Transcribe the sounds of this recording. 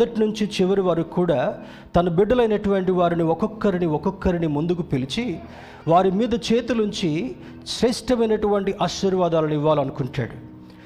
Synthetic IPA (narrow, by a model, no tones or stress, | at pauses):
ɐʈinuɲt͡ʃit͡ʃiʋɐɾiʋaːɾukuːɽaː | t̪ɐnɐbiɖːɐlɐjnɐʈuʋɐɳʈiʋaːɾiniɔkɔkːɐɾiniɔkɔkːɐɾinimund̪ukupilit͡ʃi | ʋaːɾimiːd̪ɐt͡ʃeːt̪unuɲt͡ʃi | sɾɛːʂʈɐmɐjnɐʈuʋɐɳʈiʔaːʃiɾʋaːd̪aːlɐniʋːaːlɐnukuɳʈa̰ːɽu